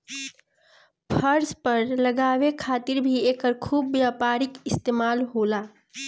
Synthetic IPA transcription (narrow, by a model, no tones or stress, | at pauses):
pʰəɾspəɾləɡaːʋekʰaːt̪ɪɾbʱieːkəɾkʰuːbːjaːpaːɾɪkɪst̪eːmaːlɦoːlaː